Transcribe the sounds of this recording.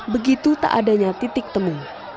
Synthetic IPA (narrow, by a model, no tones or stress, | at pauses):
bəɡit̪ut̪a̰ʔadaɲat̪it̪ɪk̚t̪əmu